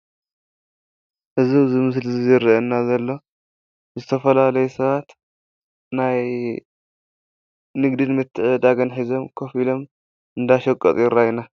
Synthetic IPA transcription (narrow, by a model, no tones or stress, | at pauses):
ʔɨziwzɨmɨslɨzizɨɾʔɐnːazɐlːo̞ | zɨt̪ʰɐfɐlalɐjɛsɐβat̪ | naj | nɨɡd̪ɨnmɨt̪ʰːɨʕɨd̪aɡɐnħizo̞mkʰo̞filo̞m | ʔɨnd̪aʃɐkʼːɐt̪ʼjɪɾajna